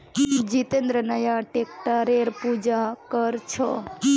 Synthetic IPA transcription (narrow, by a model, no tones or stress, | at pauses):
d͡ʒit̪ẽnd̪ɾənəjaʈekʈaɾeɾpud͡ʒakəɾt͡ʃʰo